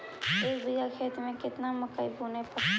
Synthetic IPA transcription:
eːkbiɡakʰeːt̪mẽkɪt̪namʊkəibʱunepəɾ

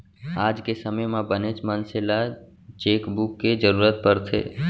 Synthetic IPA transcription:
aːd͡ʒkesəməjmãbənet͡ʃmənsɪla | t͡ʃeːkbukːed͡ʒəɾuːɾət̪̚pəɾt̪ʰḛː

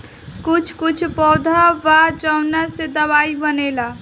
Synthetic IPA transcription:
kut͡ʃʰkut͡ʃʰpɔwd̪ʱaʋat͡ʃəwnased̪əβaibənela

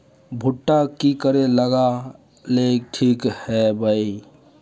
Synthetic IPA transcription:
bʱʊʈːakikəɾeləɡa | leʈʰiːkhɛbʱəi

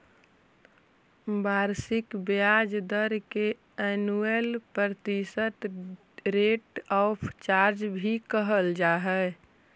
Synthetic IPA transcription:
baɾsɪkbad͡ʒd̪əɾke | ɛnuelpɾəɾt̪isət̪ | ɾeʈɔpʰt͡ʃaɾd͡ʒbʱikəɦəld͡ʒaɦɛ

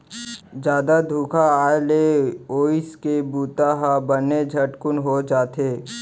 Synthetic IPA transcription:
d͡ʒjaːd̪ad̪ʱuːkʰaaːleoːɪskebuːt̪aɦabəned͡ʒʱəʈkʊnɦod͡ʒaːt̪eː

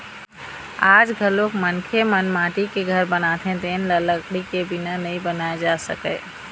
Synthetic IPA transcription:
aːd͡ʒɡʱəlokmənkʰemənmãːʈikeɡʱəɾbənaːt̪ʰẽd̪eːnlələɡɽikebɪnanɐɦĩbənaːed͡ʒaːsəkəː

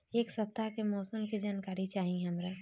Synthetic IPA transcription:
eːksɐp̚t̪akemɔːsəmkid͡ʒaːnkaːɾit͡ʃaːɦiɦɐmɾa

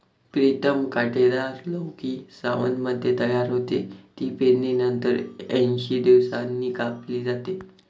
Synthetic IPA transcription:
pɾit̪əmkaʈeɾaɾləwkiːsaʋənməd̪ʱːjet̪əjaɾɦot̪ḛt̪iːpeninənt̪əɾɛ̃nɕiːd̪iʋsanːiːkapliːd͡zat̪e

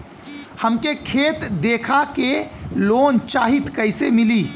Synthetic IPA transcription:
həmkekʰeːt̪d̪eːkʰakeloːnt͡ʃaːɦit̪kəɪsemɪliː

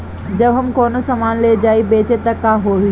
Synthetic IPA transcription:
d͡ʑɐbɦɐmkoːnosɐmaːnled͡ʒaːibeːt͡ʃet̪ɐkːãɦoːi

